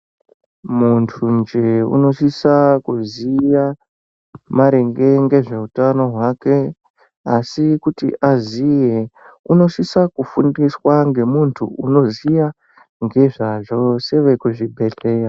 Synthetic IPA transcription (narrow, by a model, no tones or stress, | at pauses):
muntʰund͡ʒeṵno̞ʃisakuzija | maɾe̞ŋɡe̞ŋɡe̞ʐe̞utano̞ɦwake̞ | asikutḭʔazije | uno̞ʃisakufundiswaŋɡe̞muntʰuuno̞zija | ŋɡe̞ʐaʐo̞se̞ʋe̞kuʐibʱe̞ɬe̞ːra